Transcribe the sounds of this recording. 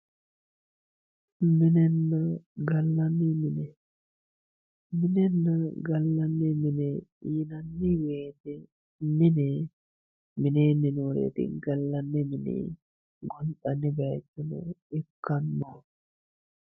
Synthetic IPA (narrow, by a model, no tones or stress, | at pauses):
mɪnɛnːɐɡɐlːɐnːimɪnɛ | mɪnɛnːɐɡɐlːɐnːɛmɪnɛjɪnɐnːiweːt̪ɛ | mɪnɛ | mɪnenːɪnoɾḛːt̪ɪ̰ɡɐlːɐnːɛmɪnḭ | ɡɔnɗɐnːɪbɛtːɛnʊ̰ɪkːɐnːa